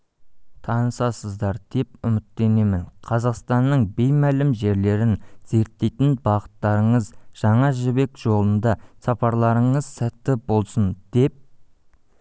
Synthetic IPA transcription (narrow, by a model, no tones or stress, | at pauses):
t̪ʰɑnəsɑsəzd̪ɑɾd̪̥e̞p̚ʏmɪt̪ːe̞ne̞mɪnqʰɑzɑqst̪ɑnːəɴbe̞jmælɪmʒe̞ɾle̞ɾɪnz̥e̞ɾt̪ːe̞jt̪ɪnbɑʁə̥t̪ːɑɾəɴəzʒ̥ɑɴɑʒɪbe̞kʒ̥o̞lˠənd̪ɑsɑpɑɾlˠɑɾəɴəzsæt̪ːɪbo̞lˠsənd̪̥e̞p̚